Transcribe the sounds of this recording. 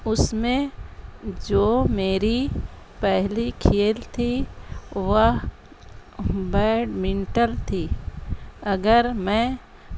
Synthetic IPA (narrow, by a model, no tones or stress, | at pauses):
ʊsmẽ | d͡ʒoːmeːɾi | pɛɦlikʰeːlt̪ʰi | ʋəɦ | bɛːɖmɪ̃nʈəlt̪ʰiː | ɐɡəɾmɛ̃ː